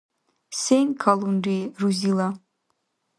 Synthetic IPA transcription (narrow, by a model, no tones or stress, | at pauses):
sejnkʰalunɾiruzila